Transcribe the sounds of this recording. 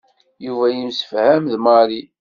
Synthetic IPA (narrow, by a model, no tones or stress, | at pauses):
juvæjimsə̥fhæmðmɑɾi